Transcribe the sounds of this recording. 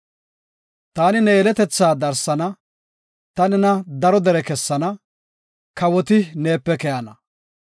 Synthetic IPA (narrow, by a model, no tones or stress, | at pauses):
t̪aːnɪnɛɛlɛt̪ɛt͡sːaːd̪ɐɾsɐnɐ | t̪ɐnɪnɐd̪ɐɾɔd̪ɛɾɛkɛsːɐnɐ | kɐwɔt̪ɪne̞ːpːɛkɛjɐnɐ